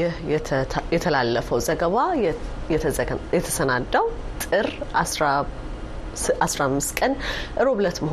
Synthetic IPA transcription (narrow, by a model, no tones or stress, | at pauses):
ɪh̪ʰ | jɛt̪ʰəlalːəfəwzəɡəβajɛjɛt̪ʰəsənad̪ːəwt̪ʼɨɾa | ʔasɾamːɨst̪kʼənʔɨɾo̞βlət̪məh